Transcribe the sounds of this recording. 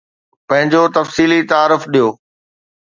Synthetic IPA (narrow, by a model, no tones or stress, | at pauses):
pɐ̃ɦɪ̃ɲd͡ʑot̪ɐfsiːlit̪aːɾʊfɗijoː